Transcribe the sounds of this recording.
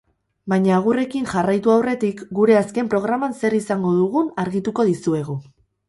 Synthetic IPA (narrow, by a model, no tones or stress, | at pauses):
bajɲaːɣ̞ure̞kinʝarajt̪uawre̞t̪ikɡuɾe̞aske̞mpɾo̞ɣ̞ɾamanse̞ɾisaŋɡo̞ðuɣ̞unaɾɣit̪uko̞ðisue̞ɣ̞u